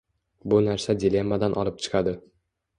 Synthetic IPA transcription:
bʊnaɾsad̪ʲɪlʲe̞mːad̪anʔɒlˠɪp̚t͡ʃʰɨ̥qʰɑd̪ɪ

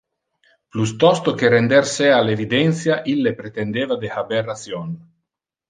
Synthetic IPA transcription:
plust̪ɔst̪okeɾend̪ɛrsɛalevid̪ɛnt̪sjaʔilːepɾet̪end̪eːvad̪ehabɛrːat̪sjɔn

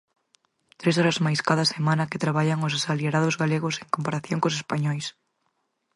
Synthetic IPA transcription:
t̪ɾes̬ɔɾɐzmajskaðɐsemãnɐket̪ɾaβaʎɐŋʊsasalieɾaðʊzɣaleɣʊseŋkompaɾaθjoŋkosespaɲɔjs

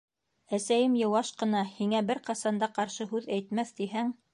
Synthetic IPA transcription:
æsæjɘmjɤ̆wɑʃqɤ̆nɑhiŋæbɘɾqɑsɑnd̪ɑqɑɾʃɤɦʉðæjt̪̚mæθt̪iɦæŋ

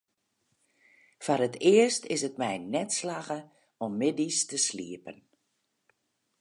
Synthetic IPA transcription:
faɾətɪəstʰɪsət̚mɛjnɛtslaɣə | ɔmːɪdistəsliəpən

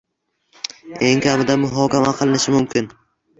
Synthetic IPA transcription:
eŋkʲʰamɪd̪amʊɦɒːkʲʰamaqʰɨlˠɪnɪʃɪmʊmkʲɪn

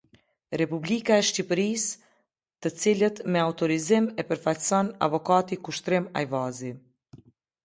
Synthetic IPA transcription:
ɾɛpublikaɛʃcipɾis | t̪ət͡silət̪mɛaut̪ɔɾizimɛpəɾfacsɔna̰vɔkat̪ikuʃt̪ɾima̰jvazi

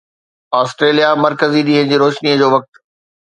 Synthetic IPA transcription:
aːsʈɾeːlijamɐɾkəziɗĩɦə̃ñd͡ʑiːɾoːʃniəd͡ʑoːʋɐk̚t̪

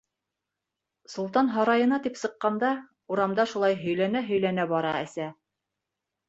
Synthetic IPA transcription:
sŭlˠt̪ɑnɦɑɾɑjɤ̆nɑt̪ipsɤ̆qːɑnd̪ɑ | uɾɑmd̪ɑʃulˠɑjɦɵ̆jlænæɦɵ̆jlænæbɒɾɑæ̰sæ

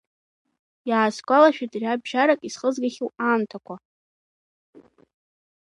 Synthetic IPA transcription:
jaːskʷʼalaʃᶣadrʲabʒaɾakʼisχəzɡaχʲuwamtʰakʷʰa

